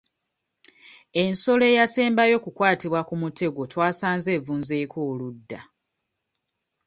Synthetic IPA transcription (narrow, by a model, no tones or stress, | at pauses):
e̞nso̞le̞ːjaseːmbajo̞kukwaːtiβwakumutʰe̞ɡo̞twaːsaːnze̞ːvuːnze̞ːkʰo̞ːludːa